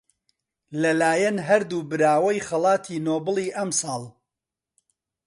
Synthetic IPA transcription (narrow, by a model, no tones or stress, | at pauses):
lɐlaːjɐnɦɐɾd̪uːbɨɾaːwɐjχɐlˠɑːt̪ʰiːnoːbɨlˠiːʔɐmsɑːlˠ